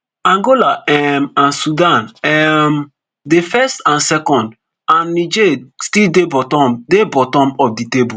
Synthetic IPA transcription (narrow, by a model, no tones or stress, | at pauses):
ãŋɡolaɛmãnsudãnɛm | defɛstãnsɛkɔ̃nd | ãnːid͡ʒestildebɔtɔmdebɔtɔ̃mɔfditebu